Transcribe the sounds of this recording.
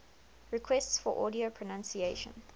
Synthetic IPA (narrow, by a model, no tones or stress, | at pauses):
ɹikʰwɛstsfɔʔɔːdiopʰɹɔnãnsieʃə̰̃n